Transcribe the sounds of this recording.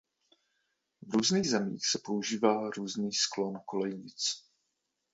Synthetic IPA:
vɾuːzniːɣzɛmḭːxsɛpo̞uʒiːvaːɾuːzniːsklo̞nkolɛjɲɪt͡s

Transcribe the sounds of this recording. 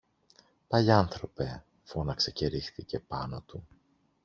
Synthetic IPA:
pɐʎɐnθɾo̞pe̞ | fo̞nɐkse̞ce̞ɾixθice̞pɐno̞t̪u

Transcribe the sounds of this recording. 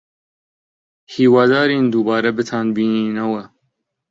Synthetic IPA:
hiːwaːd̪aːɾiːnd̪ubɑːɾɐbɪt̪ʰaːnbiːniːnɐwɐ

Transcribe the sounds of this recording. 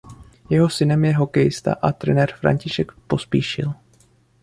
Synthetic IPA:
jɛɦo̞sɪnɛmjɛɦo̞kɛjɪst̪a̰ʔat̪ɾɛnɛɾfɾa̰ɲcɪʃɛkpo̞spiːʃɪ̰l

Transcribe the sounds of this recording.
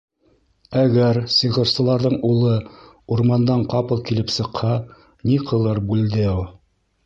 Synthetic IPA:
æɡæɾsɤ̆ʁɤ̆ɾsɤ̆lˠɑɾðɤɴulˠɤ | uɾmɑnd̪ɑɴqɑpɤlˠkilɘpsɤ̆qhɑ | niqʰɤ̆lˠɤɾbʉld̪ɘu

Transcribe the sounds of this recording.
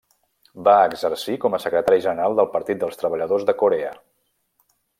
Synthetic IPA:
baəɡzərsikɔməsəkɾət̪aɾiʒənəɾɾalˠd̪əlˠpəɾt̪it̪̚d̪əlˠst̪ɾəβəʎəðozðəkuɾeə

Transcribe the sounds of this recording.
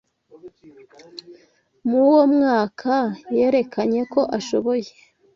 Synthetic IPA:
muwo̞mŋaːkʰaje̞ːɾe̞kaɲe̞ko̞ʔaʃo̞βo̞je

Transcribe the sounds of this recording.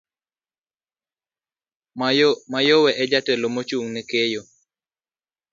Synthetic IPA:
majowɛʔɛd͡ʒatɛlomot͡ʃuŋnɛkejo

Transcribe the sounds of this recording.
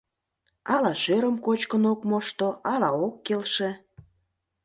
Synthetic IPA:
ɑlɑʃøɾəmkot͡ɕkənokmoʃt̪oɑlɑokːelʃe

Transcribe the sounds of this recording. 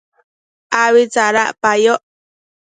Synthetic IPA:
awit͡saɾaʔpajoʔ

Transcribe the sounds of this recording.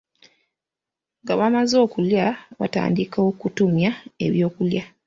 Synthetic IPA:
ŋɡaβamazo̞ːkuljaβa̰ta̰ːndikaokutumjae̞̰βjo̞ːkulja

